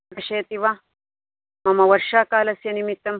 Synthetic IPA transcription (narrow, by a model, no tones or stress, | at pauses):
ɐʃeːt̪iʋa | mɐmɐʋɐɾʃaːkaːlɐsjɐnimit̪ːɐm